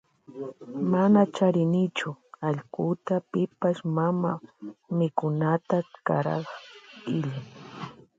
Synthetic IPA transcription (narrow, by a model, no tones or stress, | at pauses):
manat͡ʃaɾɪnɪt͡ʃʊaʎkʊt̪apɪpaʃmamamɪkʊnat̪akaɾa̰χɪʎaj